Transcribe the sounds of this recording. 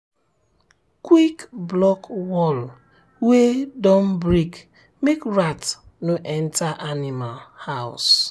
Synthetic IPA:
kwikblɔkwɔl | wedɔm̩bɾik | mekɹat | noʔɛn̩taʔanimalhaʊ̰s

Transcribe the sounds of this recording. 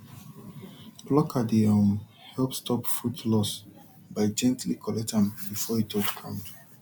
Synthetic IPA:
blɔkʰadiãm | hɛlˠpstʰɔpfutlɔs | baɪd͡ʒɛ̃ntʰlikʰɔlɛtãnbifɔitʰodkʰãʊ̃nt

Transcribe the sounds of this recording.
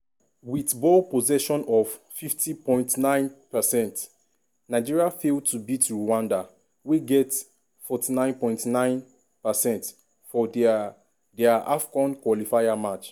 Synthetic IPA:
witbɔlpozɛʃɔ̃nɔv̥ | fiftipɔ̃ɪ̃ntnãɪ̃npɛsɛ̃nt | naɪd͡ʒiɹiafeltubitɹuwãnda | weɡɛt | fɔtinãɪ̃npɔ̃ɪ̃ntnãɪ̃n | pasɛ̃nt | fɔd | dɛaʔafkɔ̃nkwɔlifajamat͡ʃ

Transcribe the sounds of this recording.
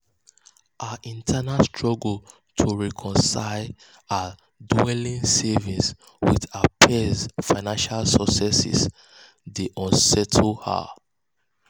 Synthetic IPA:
ʔaʔĩntʰanalstʰɹɔɡl | tʰuɹɛkʰɔ̃nsaɪ | a | duɛlĩnsɛvĩs | wḭðapʰɛzfaɪnãnʃalsɔksɛsḭs | deʔɔ̃nsɛtʰlha̰

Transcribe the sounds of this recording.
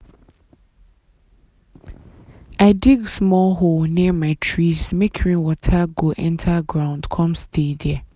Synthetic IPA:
aɪdiɡsmɔlɦolniɛmãɪtʰɹismekʰɹĩnwɔtʰaɡoʔɛ̃ntʰaɡɹãʊ̃ndkʰɔ̃mstʰedɛɛ

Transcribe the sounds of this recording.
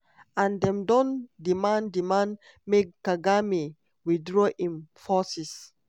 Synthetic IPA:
ãndɛ̃mdɔ̃ndimãndimãn | mekːaɡami | widɹɔʔĩmfɔsis

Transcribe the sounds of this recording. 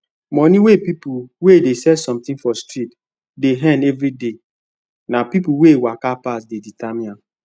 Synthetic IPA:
mɔniwepipuwedesɛdsɔ̃mt̪ɪ̃ŋfɔstɹit | deɦɛ̃nɛvɾide | napipuwewakapas̬deditamia

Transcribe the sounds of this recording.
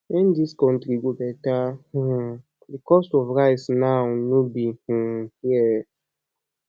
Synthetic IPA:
wɛ̃ndiskɔ̃ntɾiɡobɛtah̩ | dikɔstɔvɹaɪsnaʊnobih̩hjɛ

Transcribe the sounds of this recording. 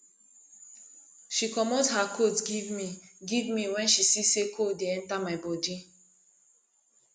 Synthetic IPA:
ʃikɔmothakʰotɡivmiɡivmiwɛ̃nʃisisekʰodeɛ̃ntamaɪbɔdi

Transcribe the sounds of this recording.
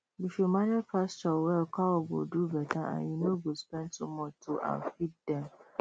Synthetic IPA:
ifjumaɾɛpast͡ʃɔwɛlkʰɔɔɡo̰dubɛtʰaã̰njunoɡospɛ̃nd̚tumɔtʰuʔã̰nfit̚dɛ̃m

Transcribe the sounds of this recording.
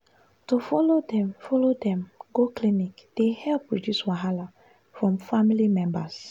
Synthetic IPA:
tufɔlodɛ̃mfɔlodɛ̃mɡoklinikd̥ehɛlpːɹɔdjuswaɦala | fɹɔ̃mfamilimɛ̃mbas

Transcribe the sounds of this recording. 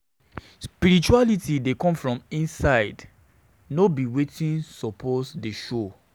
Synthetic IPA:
spiɾit͡ʃualitidekɔ̃mfɹɔ̃mĩnsaɪd | nobiwetĩnsɔpʰɔsdeʃo

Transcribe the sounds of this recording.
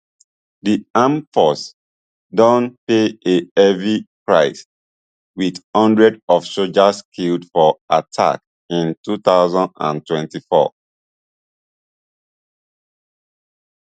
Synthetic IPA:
diãmfɔs | dɔ̃npeeɛvipɹaɪs | widhʌ̃ndɹɛdɔfsod͡ʒaskʰildfɔatʰa̰k | ĩntutaʊzãndã̰ntwɛ̃ntifɔ̰

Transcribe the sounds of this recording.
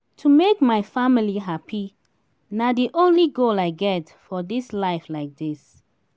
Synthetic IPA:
tʰumekmaɪfamiliɦapʰi | nadiʔõnliɡolaɪɡɛt | fɔdislaɪflaɪk̚dis

